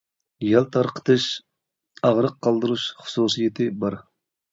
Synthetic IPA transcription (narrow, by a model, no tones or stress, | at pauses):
jɑlˠt̪ʰɑɾqʰə̥t̪ʰɨʃ | ɑʁɾəqʰːɑlˠd̪ɨɾuʃχʊ̥susijɪt̪ʰɪbɑɾ